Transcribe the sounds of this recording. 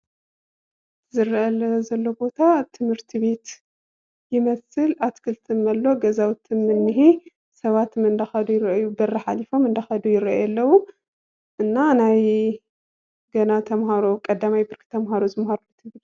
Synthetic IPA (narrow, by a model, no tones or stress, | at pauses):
zɨɾʔɐlɐzɐlːo̞bo̞t̪ʰat̪ʰɨmhɨɾt̪ʰiβe̞t̪ | jɪmɐsɨlat̪kʰɨlt̪ʰɨnɐlːo̞ɡɐzawt̪ʰɨnmɨnːɨɦi | sɐβat̪mɨnd̪ɐxɐd̪ujɪɾjubɐrːɐħalifo̞mɨnd̪ɐxɐd̪ujɪɾɐʔajɐlːɐwu | ʔɨnːanaj | ɡɐnat̪ʰɐmhaɾo̞kʼɐd̪ːamajbɨɾkt̪ʰɐmɦaɾozɨmhaɾulːut̪ʰɨbɨl